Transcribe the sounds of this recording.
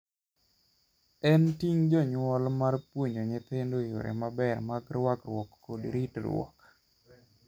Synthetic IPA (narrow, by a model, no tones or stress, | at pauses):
ɛntiŋd͡ʒɔɲwɔlmarpwoɲoɲet̪endojo̰ɾḛmabɛrmaɡɾwakrwɔkːodɾitɾwɔ̰k